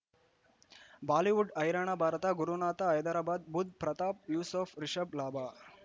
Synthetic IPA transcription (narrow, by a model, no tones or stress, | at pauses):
baːliʋuɖɐjɾaɳ̃abʱaːɾɐt̪ɐɡuɾunaːt̪aːjɐd̪ɐɾaːbaːd̪̚bud̪̚pɾɐt̪aːp̚juːsɔːfɾiʃɐblaːbʱaː